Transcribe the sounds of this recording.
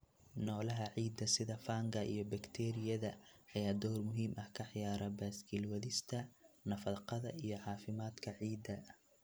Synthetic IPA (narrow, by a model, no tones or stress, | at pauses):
nɔːlɐɦɐʕiːd̪ːɐsɪðɐfaːŋɡɐʔḭjɞbɐkt̪ʰɛɾɪjɐðɐħɑjaːd̪ɔrmʊɦiːmʔɐhkʰɐħjaːɾɐbaːsɡʰilwɐðɪst̪ʰɐnɐfɐqɑðɐʔijɞʕɑːfɪmaːd̪kʰɐʕiːd̪ɐ